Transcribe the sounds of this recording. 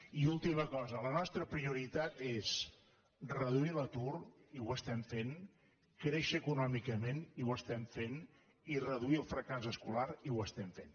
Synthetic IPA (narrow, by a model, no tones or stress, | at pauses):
iulˠt̪iməkɔzələnɔst̪ɾəpɾiuɾit̪at̪es | rəð̞uilət̪uriwəst̪ɛmfen | kɾeʃəːkunɔmikəmeniwəst̪ɛmfen | irəðuiəlˠfɾəkazəskulaɾiwəst̪ɛmfen